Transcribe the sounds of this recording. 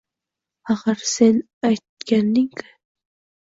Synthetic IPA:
aʁaɾsen | ajt̪̚kʲanːɪŋkɪ̥

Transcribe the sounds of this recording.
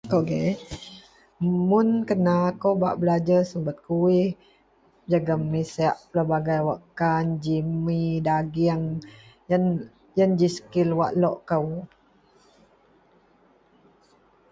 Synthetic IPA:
koɡe | munkənakowba̰ʔbəlad͡ʒasəmbət̪̚kuwih | d͡ʒaɡamːisəaʔpəlabaɡajwaʔkand͡ʒimidaɡiaŋjan | jənd͡ʒisə̥kilwa̰ʔlɔʔkəw

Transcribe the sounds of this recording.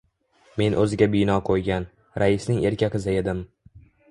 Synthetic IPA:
me̞nʔɵzɪɡʲabɪjnɒqʰojɡʲan | ɾʔaɪsnɪŋe̞ɾkʲʰakɪzae̞d̪ɪm

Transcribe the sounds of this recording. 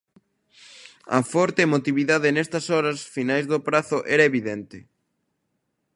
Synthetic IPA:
ɐ̰fɔɾt̪eːmot̪iβiðaðenɛst̪ɐsɔɾɐsfinajzðopɾaθʊʔɛɾɐeβiðɛnt̪ɪ

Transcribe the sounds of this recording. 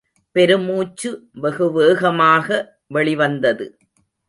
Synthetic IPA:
pɛɾɯmuːt͡ʃːɯʋɐɣɯʋeːɣɐmaːɣɐ | ʋɛɭɪʋɐnd̪ɐðɯ

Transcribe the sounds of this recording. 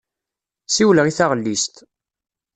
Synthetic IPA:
siwləʁiθaʁlːist̪

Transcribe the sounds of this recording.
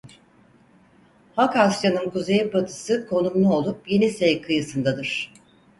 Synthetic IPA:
hakasjanɯnkuzejbat̪ʰɯ̥sɯkʰo̞numlˠuo̞lˠup̚je̞nisejkʰɯjɯsɯnd̪ad̪ɯɾ̥

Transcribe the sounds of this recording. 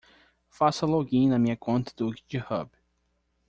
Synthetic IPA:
fasɐloɡĩnɐmĩɲɐkõnt̪ɐd̪ukd͡ʒɪhɐ̰b

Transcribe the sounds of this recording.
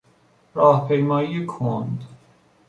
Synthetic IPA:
ɾɒːhpʰejmɒːiekʰond̪

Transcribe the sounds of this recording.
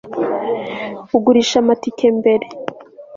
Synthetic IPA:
uɡuɾiʃamatikʰembe̞ɾe

